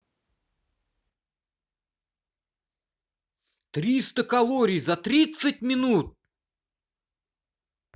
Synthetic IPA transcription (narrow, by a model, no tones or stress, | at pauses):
t̪ɾʲist̪əkɐlˠoɾʲɪjzɐt̪ɾʲit̪sətʲmʲɪnut̪̚